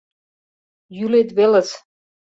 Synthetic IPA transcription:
jylet̪βelə̆s

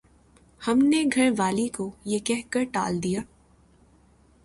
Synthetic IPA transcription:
hɐmneɡʱɐɽ̃ʋaːlikojekɛɦkəɾʈa̰ːld̪ijaː

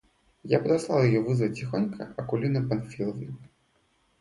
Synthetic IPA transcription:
japɐd̪aslˠalˠjajɔvɨzvɐt͡sʲixɔnʲkʰɐ̰ɐkulʲinɐpanfʲilˠɐvnɨ

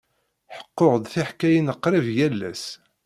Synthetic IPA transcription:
ħə̥qːoʁd̪θiħkæjənəqːɾɪvjælːæ̰s

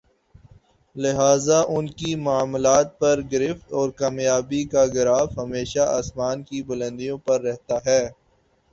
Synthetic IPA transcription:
lɪɦaːzaʔʊnkimʊaːmlaːt̪̚pɐɾɡɪɾɪft̪ɔːɾkaːmjaːbikaɡɪɾaːfɦɐmeːʃaʔaːsmaːnkibʊlə̃nd̪ijõpɐɾːɛɦt̪aɦɛː

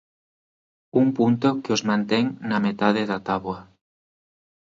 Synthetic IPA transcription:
uŋpunt̪okeozmãnt̪eŋnamet̪að̞eðat̪aβwa

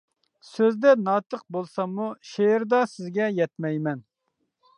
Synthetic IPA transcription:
søzd̪ɛnɑːt̪əq̚bolˠsɑmːuʃeɾd̪ɑsɪzɡʲɛjɛt̪mɛjmɛn

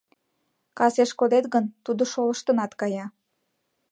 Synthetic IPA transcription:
kɑseʃkod̪et̪ɣənt̪ud̪oʃoləʃt̪ənɑt̪kɑjɑ

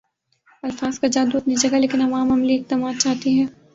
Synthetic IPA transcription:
ɐlfaːz̥kad͡ʒaːd̪uɐt̪nid͡ʒɐɡaleːkɪnɐʋaːmɐmliɪk̚t̪ɐmaːd̪t͡ʃaːɦt̪iɦɛ̃ː

